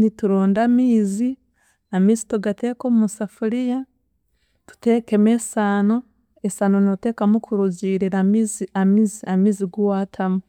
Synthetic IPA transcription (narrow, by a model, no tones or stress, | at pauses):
nituɾoːndamiːzi | amiːsi̥toɡateːkomusafuɾija | tu̥tekemesaːno | esanonote̞ːkamukʰuɾuziːɾiɾamiziamiziamiːziɡuwaːtʰamu